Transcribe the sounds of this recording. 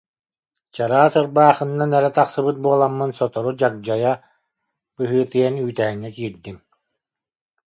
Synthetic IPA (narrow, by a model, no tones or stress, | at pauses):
t͡ɕaɾaːsɯɾbaːχɯnːanɛɾɛt̪aχsɯbɯt̪̚buɔlˠamːɯnsɔt̪ɔɾud͡ʑak̚d͡ʑɔja | bɯɦɯːt̪ɯjɛnyːt̪ɛɦiŋːɛkiːɾd̪im